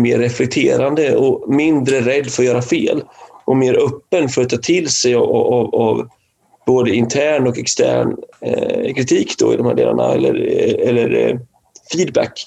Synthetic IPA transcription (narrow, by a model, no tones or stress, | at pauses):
meːɾːɛflɛk̚t̪ʰeːɾand̪əɔmɪnd̪ɾəɾɛd̪ːfœɾjœːɾafeːlʔɔmeːɾʔœpːənfœɾat̪ʰːɑːt̪ʰɪlːsɛjvav | boːd̪əɪnt̪ʰæːɳɔkɛkst̪ʰæ̰ːɳ | kʰɾɪt̪ʰiːkd̪ɔ̰ɪ̰d̪ɔmhæ̰ːɖḛːla̰ɳa̰ɛ̰lːə̰ɾɛlːəɾ | fiːd̪bæ̰kː